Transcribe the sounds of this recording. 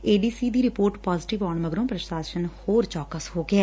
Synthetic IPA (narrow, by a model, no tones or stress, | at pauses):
eːɖiːsiːd̪iːɾɪpoːɾʈpaːzɪʈɪʋaːɳməɡɾõːpɾəʃaːʃənhoːɾt͡ʃɔːkəshoːɡɪɛː